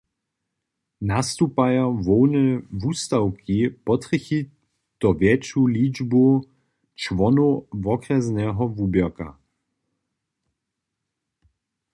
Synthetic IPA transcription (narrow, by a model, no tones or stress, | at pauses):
nast̪upajavɔwnɛvust̪awkʰipɔt̪ʁəxi | t̪ɔvjɛt͡ʃulid͡ʒbu | t͡ʃvɔnuvɔkrɛznɛɦɔvuːbjɛka̰